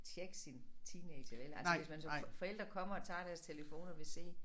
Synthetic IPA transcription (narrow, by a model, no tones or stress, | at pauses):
t͡ɕʰeɡ̥sint͡sʰiːneɪdɐʋelæ̰lsəʋe̝smænsɒ̽mfɒ̽el̰d̥ʁɐkʰɒ̽m̰ɐɒ̽t͡sʰɑ̰̈ːɾ̥æɐst͡sʰe̝ləfo̝̰ːnɒʋe̝se̝̰ː